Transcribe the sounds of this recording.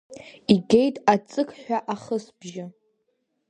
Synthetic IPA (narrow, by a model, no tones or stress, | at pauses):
iɡʲejtʼat͡sʼɨkʰʼħʷᶣaʔaχəsbʒɪ